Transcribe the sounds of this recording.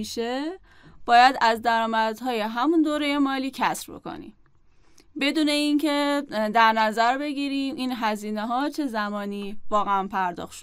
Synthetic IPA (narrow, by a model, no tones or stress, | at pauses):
iʃe | b̥ɒːjæd̪æzd̪æɾɒːmæd̪ɦɒːje̞ɦæmund̪oːɾe̞je̞mɒːliːcʰæsɾboḛko̰nḭm | be̞d̪uːne̞incʰe̞d̪æɾnæzæɾbe̞ɡiːɾiːmʔiːnɦæziːneɦɒːt͡ʃʰe̞zæmɒːniːvɒːɣeæmpʰæɾd̪ɒ̰ːxt̪ʃo